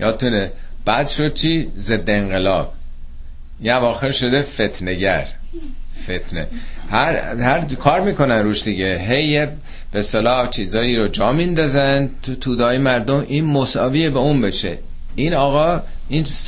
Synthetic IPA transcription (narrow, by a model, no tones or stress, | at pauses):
jɒːd̪̚t̪uneb̥æd̪ʃo̞d̪̥̚t͡ʃʰiːze̞d̪ːeːŋɢelɒ̰ːb̥̚ | inævɒːxe̞ɾʃo̞d̪e̞fe̞t̪ʰneɟæ̰ɾ | fet̪ʰnḛhæɾhæɾkʰɒːɾmiːkʰo̞nænɾuːʃd̪iɟeɦejːe | b̥est̪elɒːt͡ʃʰiːzɒːiːɾod͡ʒɒːmind̪ɒːzænt̪ʰut̪ʰuːd̪ɒːjemæɾd̪o̞mʔiːnmosɒːvijebeunbeʃḛ | iːnɒːɣɒː | ins